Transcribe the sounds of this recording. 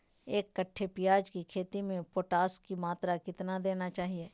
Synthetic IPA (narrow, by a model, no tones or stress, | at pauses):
eːkːəʈʰːepɪjaːd͡ʒkikʰeːt̪imẽpoːʈaːskːimaːt̪ɾakɪt̪nad̪eːnat͡ʃaːɦieː